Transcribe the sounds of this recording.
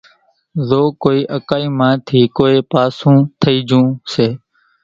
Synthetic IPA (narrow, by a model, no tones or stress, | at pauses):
zoːkoːiːʔəkaːiːmãːt̪ʰiːkoːeːpaːsũːt̪ʰəiːd͡ʒũːseː